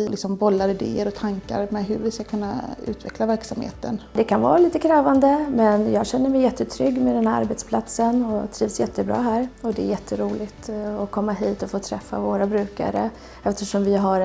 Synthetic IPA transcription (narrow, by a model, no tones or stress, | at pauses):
ɪlɪksɔmbɔlːaɾɪd̪ḛːəɾɔt̪ʰaŋka̰ɾmɛɦɵɾvɪskakʰɵnːa̰ʉ̟̰ːt̪vɛklavæɾksamhḛːt̪ə̰nd̪ɛkʰanvɑ̰ːɾaliːt̪əkʰɾɛːvand̪əmɛnjɑːɡɕɛnːəmɛjɛt̪ːət̪ʰɾʏɡːmɛd̪ɛnhæɾaɾbɛt̪spʰlat̪sənɔt̪ʰɾiːvsjɛt̪ʰːəbɾɑ̰ːɦæːɾɔd̪ɛ̰ːjɛt̪ʰːəɾuːlɪt̪ɔkʰɔmːaɦiːt̪ɔfoːt̪ʰɾɛfːa̰voːɾabɾʉ̟ːka̰ɾə | ɛft̪əʂɔmvɪɦaɾ